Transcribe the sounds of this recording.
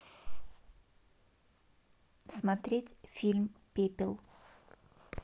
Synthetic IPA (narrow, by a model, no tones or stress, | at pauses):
smat̪ɾʲetʲfʲilʲmpʲepʲɪlˠ